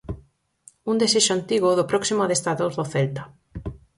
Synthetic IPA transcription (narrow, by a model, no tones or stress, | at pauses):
und̪eseʃoant̪iɣʊðʊpɾɔksimoaðest̪aðozðoθɛlt̪ḁ